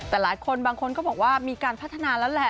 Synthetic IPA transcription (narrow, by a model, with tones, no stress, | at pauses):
t̪ɛː˨˩laː˩˦jkʰo˧nbaː˧ŋkʰo˧nkɔː˥˩bɔː˨˩k̚waː˥˩miː˧kaː˧npʰa˦˥˩t̪ʰːa˧naː˧lɛː˦˥wlɛ˦˥